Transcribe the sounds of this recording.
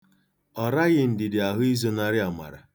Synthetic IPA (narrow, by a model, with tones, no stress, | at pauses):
ɔ˨ɾa˦ɣɪ˦n̩˨dɪ˨dɪ˨a˨ɦʊ˦i˦zo˨na˦ɾɪ˦a˨ma̰˨ɾa̰˨